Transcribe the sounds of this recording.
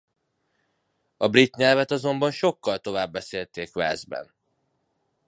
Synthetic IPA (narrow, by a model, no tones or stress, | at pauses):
ɒbrit̪ɲɛlvɛt̪ɒzo̞mbɒnʃo̞kːɒlt̪o̞vaːbːɛseːlt̪eːkvɛ̰ːzbɛ̰n